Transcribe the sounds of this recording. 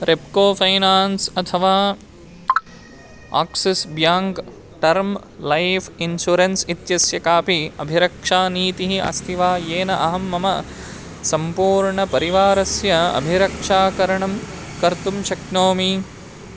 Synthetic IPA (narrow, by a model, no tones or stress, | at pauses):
ɾepkoːpʰɐjnaːnsɐt̪ʰɐʋaː | a̰ːksisbjaːŋk | ʈɐɾm | lɐjpʰinʃuɾensit̪jɐsjɐkaːpiɐ̰bʱiɾɐkʂaːniːt̪iɦiʔɐ̰st̪ʰiʋaːjeːnɐʔɐɦɐmːɐmɐ | sɐmpuːɾɳɐpɐɾiʋaːɾɐsjɐɐ̰bʱiɾɐkʂaːkɐɾɐɳɐm | kɐɾt̪umʃɐknoːmi